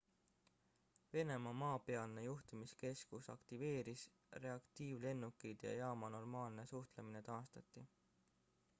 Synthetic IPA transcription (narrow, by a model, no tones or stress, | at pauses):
ve̞ne̞mɑmɑːpe̞ɑlne̞juht̪imiske̞skusɑ̰kt̪ive̞ːɾis | re̞ɑkt̪iːvle̞nːukːˑid̪̥jɑ̰jɑːmɑno̞rmɑːlne̞suht̪lemine̞t̪ɑːst̪ɑt̪ˑːi